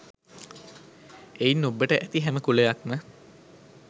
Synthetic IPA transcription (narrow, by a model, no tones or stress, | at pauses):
einːobːəʈəʔæt̪iɦæməkulejakmə